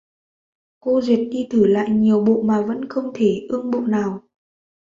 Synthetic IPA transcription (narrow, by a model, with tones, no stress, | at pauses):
ko˧zi˨˩ət̚ɗi˧t̪ʰɨ˧˩la̰ː˧˨jɲi˨˩əwɓo̰˧˨maː˨˩və̰˧˥nxə˧wŋ͡mt̪ʰe˧˩ʔɨ˧əŋɓo̰˧˨naː˨˩w